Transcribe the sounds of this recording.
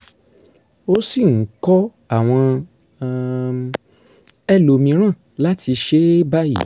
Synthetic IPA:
o˦si˦˨ŋ̩˨˦kɔ˦ | a˦˨w̃ɔ̃˧ | ɛ˦lo˧mĩ˧ɾ̃ã˦˨ | la˦tʰi˧ʃe˦ba˦jḭ˦˨

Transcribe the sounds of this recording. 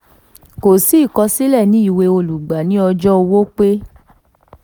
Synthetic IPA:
ko˨si˨˦˨kɔ˧si˦lɛ˦˨nĩ˨˦i˦˨we˧o˧lu˨ɡ͡ba˨˦nĩ˦ɔ˧d͡ʒɔ˦˧wo˦k͡pe˦

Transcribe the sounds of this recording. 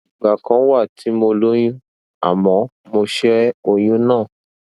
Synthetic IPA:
i˨ɡ͡ba˨kã˧˦wa˦˨tʰi˨˦mo˧lo˦j̃ũ˦ | a̰˨mɔ̃˨˦ | mo˧ʃe˦ɾɛ˦o˧j̃ũ˦nãː˦˨

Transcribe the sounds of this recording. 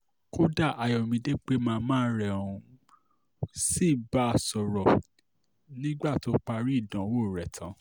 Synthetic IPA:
ko˦da˦˨ʔa˨jɔ˨mĩ˨˧de˦k͡pe˦mãː˦˧mãː˦ɾɛ˦˨ũ˧ | si˦˨ba˦a˦˨sɔ˨ɾɔ˨ | nĩ˦ɡ͡ba˦˨to˨˦k͡pa˧ɾi˦i˦˨dã˨˦wo˦˨ɾɛ˨tʰã˨˦

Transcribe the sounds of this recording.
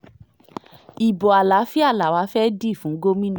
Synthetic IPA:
i˨bɔ˨a˨la˨˦fi˦a˦˨la˨wa˨˦fɛ˦di˦˨fũ˨˦ɡo˦mĩ˦ñ˦˨

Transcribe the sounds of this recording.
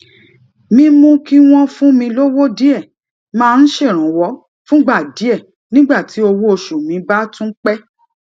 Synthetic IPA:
mĩ˧mũ˧ki˦w̃ɔ̃˦fũ˦mĩ˧lo˦wo˦di˦ɛ˦˨ | mãː˦˧n̩˦ʃe˦˨ɾ̃ã˨wɔ˨˦ | fũ˦ɡ͡ba˦˨di˨˦ɛ˦˨ | nĩ˦ɡ͡ba˦˨ti˨˦o˧wo˦o˧ʃu˨mĩ˨˦ba˦tũ˦k͡pɛ˦

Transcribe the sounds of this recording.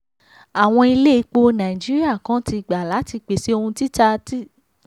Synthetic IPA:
a˨w̃ɔ̃˧i˧le˦i˧k͡po˧nã˨i˨d͡ʒi˨˦ɾi˦a˦˨kã˨˦ti˧˨ɡ͡ba˨la˨˦ti˧k͡pe˨si˦o˧hũ˧ti˦ta˧ti˦

